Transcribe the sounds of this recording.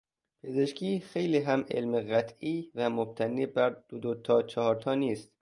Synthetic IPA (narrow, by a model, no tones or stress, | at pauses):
pʰe̞ze̞ʃkʰiːxejliːɦæmḛlmeɣæt̪ʰʔiːvæmob̚t̪ʰæniːbæɾd̪̥od̪ot̪ʰɒːt͡ʃʰɒhɒːɾt̪ʰɒːniːst̪